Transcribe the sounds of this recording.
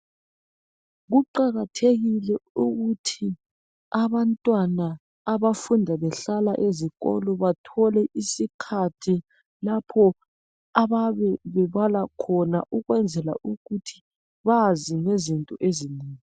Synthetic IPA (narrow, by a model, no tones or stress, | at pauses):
ɣuǃaɣatʰeɣilɛuɣutʰi | aβantʼwanaː | βafundʱaβɛɬala̰ʔeziɣɔ̰lɔβatʰɔlɛʔisikʰatʰi | lapʰɔ | aβaβɛβɛβalakʰɔna̰ʔuɣwɛnd͡zʱɛla̰ʔuɣutʰi̥ | βaziŋezintʼɔʔeziniːŋi